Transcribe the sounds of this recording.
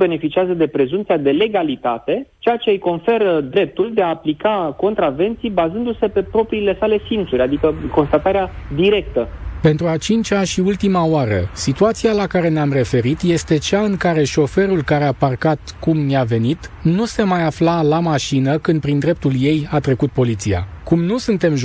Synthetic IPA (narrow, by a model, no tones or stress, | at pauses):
be̞ne̞fit͡ʃiazəd̪e̞pɾe̞zumt̪siad̪e̞le̞ɡalit̪at̪e̞t͡ʃejat͡ʃejejko̞nfe̞ɾəd̪ɾe̞p̚t̪uld̪eaːplikako̞nt̪ɾave̞nt̪sijbazɨnd̪use̞pe̞pɾo̞pɾiːle̞sale̞sint̪suɾʲad̪ikəko̞nst̪at̪aɾead̪iɾe̞k̚t̪əpe̞nt̪ɾuat͡ʃint͡ʃaʃiult̪imaoaɾə̰sit̪uat̪sialakaɾe̞neamre̞fe̞ɾit̪je̞st̪e̞t͡ʃaɨŋkaɾe̞ʃo̞fe̞ɾulkaɾe̞aparkat̪kumniave̞nit̪nuse̞majaflalamaʃinəkɨnd̪pɾind̪ɾe̞p̚t̪ulje̞jat̪ɾe̞kut̪̚po̞lit̪sia̰kumnusɨnt̪e̞mʒ